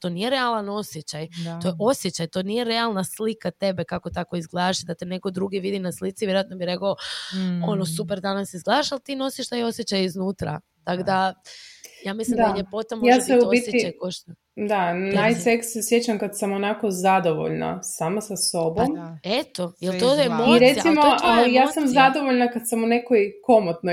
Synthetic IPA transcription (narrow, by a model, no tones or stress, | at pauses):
t̪o̞nije̞ɾealano̞sjet͡ɕaj̪o̞jeʔo̞sjet͡ɕajt̪o̞nije̞ɾe̞alˠnaslikat̪e̞be̞kako̞t̪ako̞izɡlˠad̪aʃid̪at̪ene̞ko̞d̪ɾuɡiʋid̪inaslit̪siʋjeɾoat̪nobiɾe̞koo | o̞nosupeɾd̪anasizɡlˠad̪aʃalt̪iːno̞siʃt̪ajo̞sjet͡ɕajiznuːt̪ɾa̰ | t̪akod̪a | jaːmislimd̪d̪aʎepo̞t̪amojaseuoisjeiajkoʃt̪a | d̪anajseksːesjet͡ɕamkad̪samonakozad̪oʋo̰ʎna̰samasaso̞bomet̪o̞jelt̪oemoiɾeijaimooaleijaːsamzad̪oʋoʎnakad̪samunekoiko̞mot̪no